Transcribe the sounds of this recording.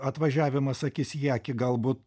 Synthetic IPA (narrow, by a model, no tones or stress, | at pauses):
ɐt̪ʋɐʒʲæːʋʲɪmɐsɐkʲiːsʲjæːkʲɪɡɐlˠbuːt̪̚